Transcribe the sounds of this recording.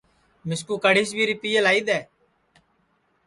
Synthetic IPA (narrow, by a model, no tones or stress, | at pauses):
mɪskuːkəɽiːsbʱiːɾiːpiːjelaːiːd̪ɛː